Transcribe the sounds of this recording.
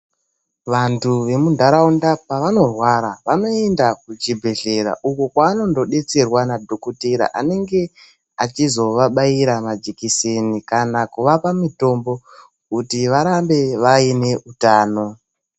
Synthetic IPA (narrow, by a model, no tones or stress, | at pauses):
ʋantuʋe̞mundʱaɾaundapaʋano̞rwaɾaʋano̞e̞ndakut͡ʃibʱe̞ɮe̞ɾa̰ʔukokwaːno̞ndo̞ɗe̞t͡se̞rwanadʱo̞koteɾa̰ʔa̰ne̞ŋɡe̞ | at͡ʃizo̞ʋaɓaiɾamad͡ʒikisenikanakuʋapamito̞mbo̞ | kutiʋaɾambe̞ʋaine̞utaːno̞